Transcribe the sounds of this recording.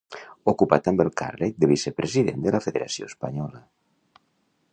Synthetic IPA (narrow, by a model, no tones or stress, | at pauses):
okupat̪ambelka̰ɾled̪eβisepɾʔesiðend̪elafeðeɾasjo̰espaɲɔla